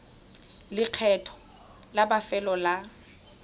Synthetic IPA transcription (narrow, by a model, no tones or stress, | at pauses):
lɪq͡χʰɛtʰɔ̥ | labafɛlɔla